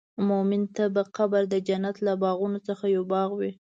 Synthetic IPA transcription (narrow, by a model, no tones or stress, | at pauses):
momɪnt̪abaqabaɾd̪əd͡ʒanat̪labɑɣunot͡səxajawbɑɣwi